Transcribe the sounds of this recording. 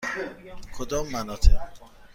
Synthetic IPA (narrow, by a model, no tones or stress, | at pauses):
kʰod̪ɒːmːænɒːt̪ʰe